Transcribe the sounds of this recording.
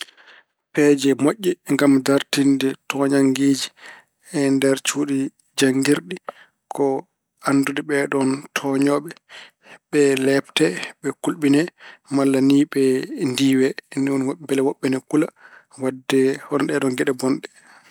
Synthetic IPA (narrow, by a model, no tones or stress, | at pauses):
pɛd͡ʒɛmoʔːɛŋɡamdaɾtindɛtʰɔɲaŋɡeːd͡ʒi | ɛndɛɾt͡ʃuːɗi | d͡ʒaŋɡiɾɗi | kʰɔ | andudɛɓɛɗɔntʰɔɲɔɓɛ | ɓɛlɛptɛɓɛkulɓinɛmalːaniːɓɛndiːwɛniɔnwabɛlɛwɔɓːɛnɛkula | wadːɛhɔnɔɗɛɗɔnɡɛɗɛbɔnɗɛ